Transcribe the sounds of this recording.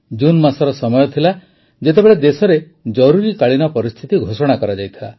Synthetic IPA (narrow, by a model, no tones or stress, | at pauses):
d͡ʒunmasɔɾɔsɔmɔjɔt̪ʰila | d͡ʒet̪ebeɭed̪esɔɾe | d͡ʒɔɾuɾikaɭinɔpɔɾist̪ʰit̪iɡʱosɔɽ̃akɔɾad͡ʒajt̪ʰila